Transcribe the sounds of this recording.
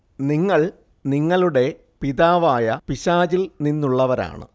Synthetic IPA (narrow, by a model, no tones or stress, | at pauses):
niŋːɐɭ | niŋːɐɭuɽe̞ | piðaːʋaːjɐpiɕaːd͡ʑilninːuɭːɐʋɐɾa̰ːɳɨ̰